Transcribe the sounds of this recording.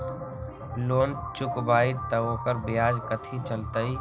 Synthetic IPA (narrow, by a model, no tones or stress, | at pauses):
loːnt͡ʃʊkbaːit̪əʋõpəɾbɪjaːd͡ʒkət̪ʰit͡ʃəlt̪əi